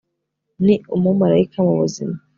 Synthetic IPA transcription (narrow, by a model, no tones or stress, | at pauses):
niumumaɾaikʰamuβuzima